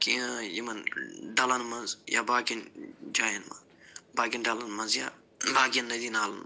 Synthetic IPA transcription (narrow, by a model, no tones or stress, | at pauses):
kiɐjimɐnɖɐlɐnmɐnzja̰ːbaːkind͡ʒaːjɐnmɐ̰n | baːɡinɖɐlɐnmɐnzja̰ː | laːɡijɐnːɐd̪inaːlɐn